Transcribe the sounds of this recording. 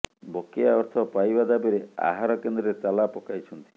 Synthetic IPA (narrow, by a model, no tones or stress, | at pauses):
bokejaɔɾt̪ʰɔpajbad̪abeɾea̰ɦaɾɔkend̪ɾɔɾet͡ʃalapɔkajt͡ʃʰɔnt̪i̥